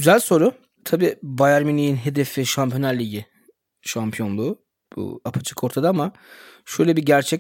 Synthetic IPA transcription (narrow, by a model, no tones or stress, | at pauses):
ɟ̥yzælʲso̞ɾʊ | t̪ʰabiːbajaɾminijinɦe̞d̪efɛʃampʰjonaɾlʲiɟi | ʃampʰijo̞nlˠuː | bṵapʰat͡ʃʰɯ̥kʰo̞ɾt̪ʰad̪aama | ʃø̞jlʲɛbiɟæɾt͡ʃʰɛc